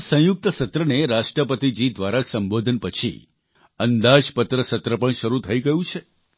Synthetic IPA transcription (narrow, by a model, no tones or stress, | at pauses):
sə̃jʊk̚t̪əsət̪ɾəneɾaʃʈɾəpət̪id͡ʒid̪ʋaɾasəmbod̪ʱənpət͡ʃʰḭ | ənd̪ad͡ʒpət̪ɾəsət̪ɾəpəɳʃəɾut̪ʰəiɡəɦjũt͡ʃʰe